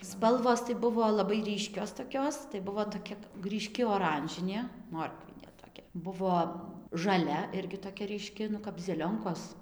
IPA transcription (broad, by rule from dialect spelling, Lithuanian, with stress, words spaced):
ˈspɐlˠʋoːs tɐɪ ˈbʊʋoː lˠɐˈbɐɪ ˈrʲiːʃʲkʲoːs toːˈkʲoːs tɐɪ ˈbʊʋoː toːˈkʲɛ rʲiːˈʃʲkʲɪ oːˈrɐnʲʒʲɪnʲeː ˈmoːrkʋʲɪnʲeː toːˈkʲɛ ˈbʊʋoː ʒɐˈlʲɛ ˈɪrʲɡʲɪ toːˈkʲɛ rʲiːˈʃʲkʲɪ nʊ kɐp zʲɛˈlʲoːŋkoːs